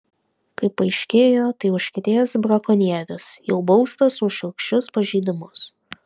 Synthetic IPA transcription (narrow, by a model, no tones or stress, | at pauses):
kɐɪpːɐɪʃʲkʲeːjoːt̪ɐɪʊʃʲkʲɪt̪ʲeːsbɾɐkoːnʲiɛɾʲʊsjɛʊbɒʊst̪osʊʃɐkʃʲt͡ʃʲʊspɐʒʲiːd̪ʲɪmʊs